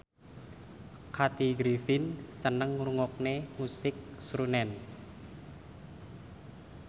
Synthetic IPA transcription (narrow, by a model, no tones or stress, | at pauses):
kʰat̪iɡɾifɪnsənəŋruŋɔk̚nemusɪk̚sɾunɛn